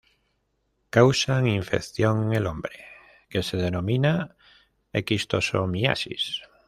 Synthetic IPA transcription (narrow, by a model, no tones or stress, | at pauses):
kawsaŋiɱfekθjoŋelombɾe | keseðenomĩna | ekist̪oso̰ŋmia̰sḭs